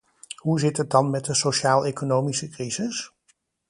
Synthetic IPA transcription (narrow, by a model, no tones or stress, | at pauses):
ɦuzɪtət̚dɑnmɛt̚dəsoʃaːlˠejkonowmisəkrizɪs